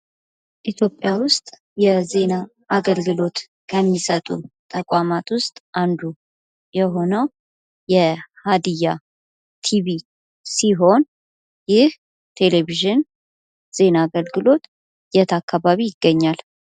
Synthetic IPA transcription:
ʔit̪ʰjo̞pʼːjawʊst̪ʼ | jɛze̞na | ʔaɡəlɡɨlo̞t̪ | kʰəmːisət̪ʼut̪ʼʰəkʷʼamat̪wʊst̪ʼʔand̪u | jɛɦo̞nəw | jɛhad̪ija | t̪ʰiβi | siɦo̞n | jɪh | t̪ʰe̞le̞viʒɪn | z̥e̞naːɡəlɡɨlo̞t̪ | jɛt̪ʰakʰːaβaβijɪɡːəɲːal

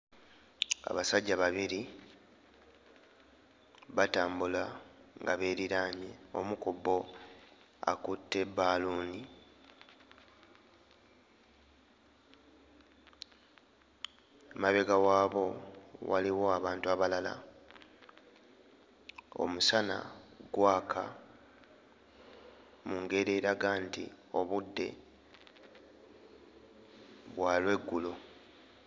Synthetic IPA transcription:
a̰βasaɟːaβaβiɾi | βataːmbulaŋɡaβeːɾiɾaːɲeo̞̰mukubo̞ | a̰kutːe̞baːluːni | maβe̞ɡawaːβo̞wa̰liwo̞aβaːntuaβalala̰ | o̞̰musana̰ɡwaːkʰa̰ | muŋɡe̞ɾeɾaɡaːntḭ | o̞βudːe̞̰ | βwaːlwe̞ɡːulo

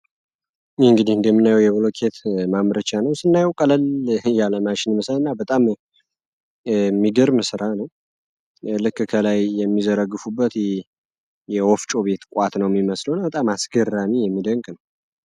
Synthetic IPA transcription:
ɨŋɡɨd̪ihɨnd̪əmːɨnːajɛwjɛβɨlokʰet̪mamɾət͡ʃanəwsɨnːajɛwkʼələljaləmat͡ʃɪnməslɨnːabət̪ʼam | mːiɡɨɾmɨsɨɾanəw | lɨkːkʰəlajːɛmːizəɾəɡːɨfubːət̪ | jɛwɔft͡ʃʼo̞βe̞t̪kʷʼat̪nəwjɛmːiməslownbət̪ʼamasɡərːamijɛmːid̪əŋkʼnəw

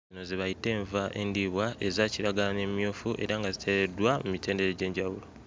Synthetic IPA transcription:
zino̞ziβajite̞ːɱvaʔe̞ndiːβwae̞zaːciɾaɡalane̞mjo̞ːfuʔe̞̰ɾaŋɡazitʰe̞ɾedwamumite̞ːnde̞ɾeɟe̞ːɲɟawulo

